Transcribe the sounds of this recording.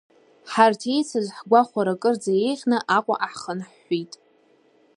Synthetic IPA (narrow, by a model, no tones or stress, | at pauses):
ħartʰe̞jt͡sʰazħɡʷaχʷaɾakʼɨrd͡zaje̞jʁʲnɨʔakʷʼa̰ʔaħχənħːitʼ